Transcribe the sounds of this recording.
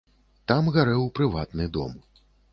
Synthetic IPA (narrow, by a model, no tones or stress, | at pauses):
t̪amɣaɾɛwpɾɨvat̪nɨd̪ɔ̰m